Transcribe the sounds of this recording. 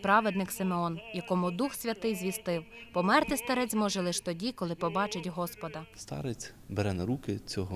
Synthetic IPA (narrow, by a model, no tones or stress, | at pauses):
pɾɑʋed̪nɪksɪmeɔnjɐkɔmʊd̪uxsʲʋʲɐt̪ɪjzʲʋʲist̪ɪwpɔmɛrt̪ɪst̪ɐɾɛt͡sʲmɔʒɛlˠɪʃt̪ɔdʲikɔlˠɪpɔbɑt͡ʃɪtʲɦɔspɔd̪ɐst̪ɑ̰ɾet͡sʲ | beɾɛnɐɾukɪt͡sʲɔɦɔ